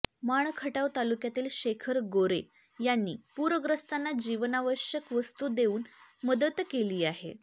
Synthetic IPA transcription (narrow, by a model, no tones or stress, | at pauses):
maɳ̃kʰəʈaʋt̪alukjat̪iːlɕekʰəɾɡoɾe | janːḭːpuɾəɡɾəst̪anːad͡ʑiʋənaʋəɕjəkʋəst̪ud̪euːnməd̪ət̪keliːaɦḛ